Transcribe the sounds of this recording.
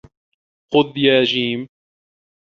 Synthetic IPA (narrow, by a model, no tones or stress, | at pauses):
qʊd̪jaːd͡ʒiːm